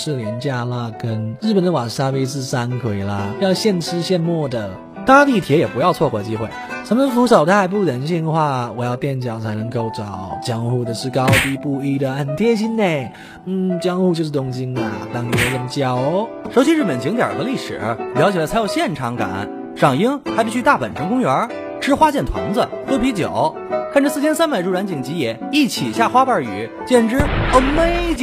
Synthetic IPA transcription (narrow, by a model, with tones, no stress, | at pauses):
ʂɻ̩˥˩ljɛ˧˥nt͡ɕja˥˩lə˧˩kə˥nɻɻ̩˥˩pə˨˩nd̪ə˦wa˨˩ŋʂa˥we˥ɪt͡sɹ̩˥˩sa˥nkʰwe˨˩ɪlə˧˩jɑ˥˧ʊɕjɛ˥˧nʈ͡ʂʰɻ̩˥ɕjɛ˥˧nmwɔ˥˩d̪ə˩ | t̪a˥t̪i˥˩t̪ʰjɛ˧˥jɛ˨˩pu˧˥jɑ˥˧ʊt͡sʰwɔ˥˩kwɔ˧˩˧t͡ɕi˧˥xwe˥˩ɪsʰa˧˥məə˧fu˧˥ʂo˨˩ʊt̪ʰa˧˥˧ɪpu˥˩ɻə˧˥nɕi˥˧ŋə˧xwa˥˩wɔ˨˩jɑ˥˧ʊt̪jɛ˥˩nt͡ɕjɑ˨˩ʊt͡sʰa˧˥ɪnɤ˧˥ŋko˥˧˩ʊt͡sɑ˨˩˦ʊt͡ɕjɑ˥ŋxu˥˩d̪ə˩ʂɻ̩˥˩kɑ˥ʊt̪i˥˧pu˥˧i˥˩d̪ə˨xə˨˩nt̪ʰjɛ˥nɕi˥nne˥˩ɪ | n̩˥˩t͡ɕjɑ˥ŋxu˥˧t͡ɕjo˥˧ʊʂ̬̩˥˩t̪ʊ˧˥ŋt͡ɕi˥ŋə˨t̪ɑ˥˩ŋ˨˩o˥˧˩ɻə˥˩nt͡ɕjɑ˨˩ʊ | ʂo˧˥ʊt͡ɕi˥ɻ̩˥˩pə˨˩nt͡ɕi˧˥ŋt̪jə̰˞˨˩xɤ˧˦li˥˩ʂɻ̩̰˨˩˦ljɑ˧˥ʊt͡ɕjɛ˨˩lt͡sʰa˧˥ɪjo˨˧˩ɕjɛ˥˩nʈ͡ʂʰɑ˧˥ŋka̰˨˩˦n | ʂɑ˨˩ŋi˥ŋxa˧˥ɪp̬i˥˩y˥t̪a˥˩pə̰˨˩nʂʰə˧˥ŋkʊ˥ŋɥə˧˥ | ʈ͡ʂɻ̩˥xwa˥t͡ɕjɛ˥˩nt̪ʰwa̰˧˥ŋd͡zə˧ | xɤ˥pʰi˧˥t͡ɕjo̰˨˩˦ʊ | kʰa˥˩nʈ͡ʂə˩sɹ̩˥˩t͡ɕʰjɛ˥nsa˥npe˧˩ɪʈ͡ʂu˥˩ɻa˧˥nt͡ɕi˨˩ŋt͡ɕi˧˥jɛ˧˩˥i˥˩t͡ɕʰi˨˩ɕja˥˩xwa˥pə˞˥˧˩y̰˨˩˦ | t͡ɕjɛ˥˩nʈ͡ʂɻ̩˥ə˥˩me˥ɪt͡ɕ